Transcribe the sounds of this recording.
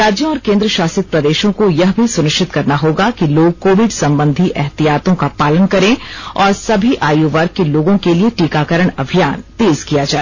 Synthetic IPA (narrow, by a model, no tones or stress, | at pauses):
ɾaːd͡ʒjõɔːɾkẽːnd̪ɾəʃaːsɪt̪̚pɾɐd̪eːʃõkojɐɦbʱisʊnɪʃʈɪt̪kɐɾnaɦoːɡakiloːɡ̚koːʋɪɖsɐ̃mbə̃nd̪ʱiʔɛɦt̪ijaːt̪õkapaːlənkɐɾẽːɔːɾsɐbʱiʔaːjuːʋɐɾɡ̚kːeloːɡõkelieʈiːkakɐɾəɽ̃ɐbʱijaːnt̪eːz̥kijad͡ʒaːe